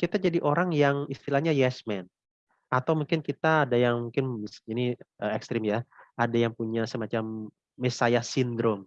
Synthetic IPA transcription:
kit̪ad͡ʒadiʔoɾaŋjaŋist̪ilahɲajɛsmɛn | at̪awmuŋkɪnkit̪aːdajaŋmuŋkɪnisiniʔəɛkst̪ɾɪmjaadajaŋpuɲasəmat͡ʃamː | esajahsindɾɔm

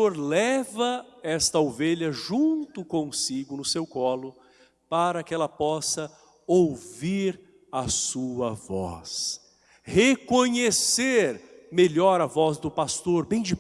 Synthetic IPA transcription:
oɾlɛvɐɛst̪ɐowveʎɐʒũt̪ʊkõsiɡʊnʊsewkɔlʊ | paɾɐkɪɛlɐpɔsɐ | owviɾ | ɐsuɐvɔ̰s | hekõɲeseɾmeʎɔɾɐvɔzd̪ʊpast̪oɾbẽj̃d͡ʒɪ

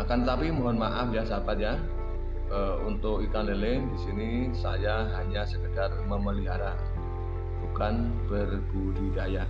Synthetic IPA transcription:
akant̪ət̪apimɔɦɔnmaʔafjasabat̪̚ja | ə | unt̪ʊkikanleledisini | sa̰jaɦaɲasəkədarməməliɦaɾa | b̥ukan | b̥ərɡ̥udidaja

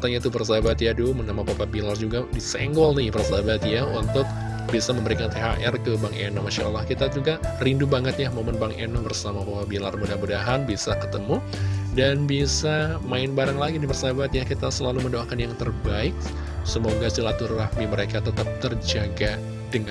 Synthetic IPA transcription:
t̪aɲait̪ubərsaabat̪jadumənamapapabilard͡ʒuɡadisɛŋɡɔlnihbərsaabat̪jaunt̪ʊk̚ | bisaməmbəɾikant̪eɦaʔɛrkəbaŋʔḛnɔmaʃa̰ʔa̰lːahkit̪ad͡ʒuɡarindubaŋət̪jahmomənbaŋʔenɔbərsamapapabilarbudahmudaɦanbisakə̥t̪əmu | danbisamaɪnbaɾaŋlaɡidipərsaabat̪jakit̪asəlaluməndoakanjaŋt̪ərbaɪk̚ | səmoɡasilat̪urːahmiməɾekat̪ət̪ap̚t̪ərd͡ʒaɡa | dəŋa

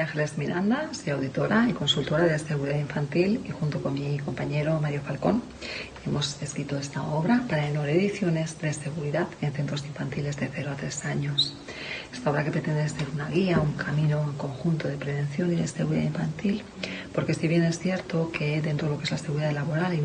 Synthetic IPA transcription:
aŋxelezmiɾand̪asojawðit̪o̞ɾaiko̞nsult̪o̞ɾaðeeseɣuɾiðaðiɱfant̪ilixunt̪oko̞nmiko̞mpaɲe̞ɾo̞maɾjo̞falko̞n | e̞mo̞se̞skɾit̪o̞e̞st̪ao̞β̞ɾapaɾaenoɾeðiθjo̞ne̞zd̪e̞se̞ɣuɾiðaðe̞nθe̞nt̪ɾoziɱfant̪ile̞zðe̞θe̞ɾoat̪ɾe̞saɲo̞s | e̞st̪ao̞βɾake̞pɾe̞t̪e̞nd̪easeɾunaɣiauŋkʰamĩno̞ŋko̞ŋxunt̪oðe̞pɾe̞βẽ̞nθjo̞niðeseɣuɾiða̰iɱfant̪il | po̞ɾke̞siβje̞ne̞sθje̞ɾt̪o̞kʰe̞d̪e̞nt̪ɾolokee̞zlaseɣuɾiðaðlaβo̞ɾal

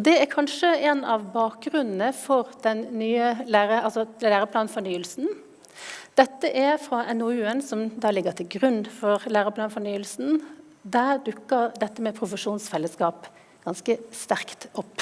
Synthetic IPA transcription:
ɔd̪ɛæɾkʰɑnʂəɛnɑʋbɑːk̚ɡɾʉnn̩əfɔɾd̪̥ɛnnyːəlæːʁəɑlsɔlæːɾəpʰlɑːnfɔnyːəlsn̩ | d̪̥ɛt̪ːəʔæfɾɑʔɛnɔʉːənsɔmd̪ɑːlɪɡːət̪ʰɪlɡɾʉnːfɔʁlæːɾəpʰlɑːnfɔnyːəlsn̩ | d̪æʁd̪ʉkːəɾd̪ɛt̪ːəmɛpʰɾʊfəʂuːnsfɛlːəskɑːp | ɡ̥ɑnskəst̪æʁkt̪ɔpː

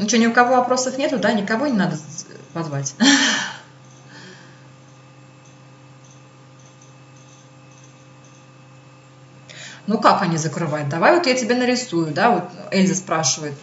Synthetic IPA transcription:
ɪt͡ɕonʲɪʊkɐvo̞ɐpɾo̞səfnʲe̞t̪ʊd̪anʲɪkɐvonʲɪnad̪əpɐzvatʲ | nukakɐnʲizəkɾɨvajʊt̪̚d̪ɐvajvo̞t̪jatʲɪbʲenəɾʲɪsujʊd̪avot̪ɛlʲzəspɾaʂɨvəjɪt̪̚

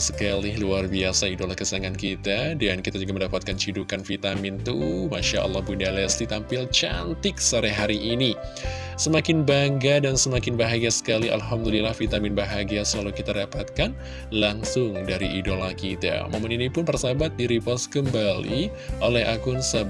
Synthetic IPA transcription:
sə̥kalɪhluarbiasaidolakəsaŋankit̪adankit̪ad͡ʒuɡaməndapat̪̚kant͡ʃidukanfit̪amɪnt̪umaʃaʔa̰lːɑhbundalɛslit̪ampɪlt͡ʃant̪ɪk̚saɾɛɦaɾiʔini | səmakɪnbaŋɡadansəmakɪnbaɦaɡiasə̥kalia̰lɦamdulilahfit̪amɪnbaɦaɡiasəlalukit̪adapat̪̚kan | laŋsʊŋdaɾiidolakit̪a̰mo̰maninipʊnpərsabat̪̚diɾipɔskəmbalḭ | ʔolɛɦakʊnsab

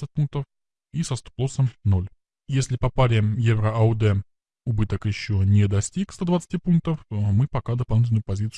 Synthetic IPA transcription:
sət̚ʲpunk̚t̪əf | isɐst̪ʊ̥plˠosəmno̞lʲ | jesʲlʲɪpɐpaɾʲɪjevɾəʔɐʊd̪ɛ | ʊbɨt̪əkjɪɕːonʲed̪ɐsʲtʲikst̪od̪vət̪sɨ̥tʲipunk̚t̪əfmɨpɐkad̪əpɐlˠnʲit̪̬ʲnʊpɐzʲit̪s

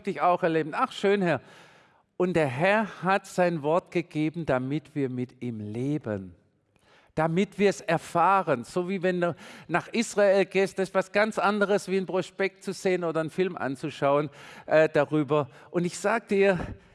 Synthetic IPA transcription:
d̥ɪçaʊxɛɐleːbn̩aχʃøːnhɛɐ | ʔʊnt̚d̥eːɐɦɛɐhatz̥aɪnvɔɐtɡ̥əɡ̥eːbn̩d̥amɪtv̥iːɐmɪtiːmleːbə̰n | d̥amɪtv̥iːɐɛsɛɐfaːʁənz̥oːviːvɛnduːnaχʔɪsʁ̥aeːlɡeːstd̥asɪstv̥asɡ̥ant͡sʔandəʁəsv̥iːənpʁ̥ɔspɛk̚tt͡suz̥eːənoːdɐənfɪlmʔa̰nt͡suʃaʊənʔɛːd̥aʁyːbɐʔʊntɪçz̥aːɡəd̥iːɐ

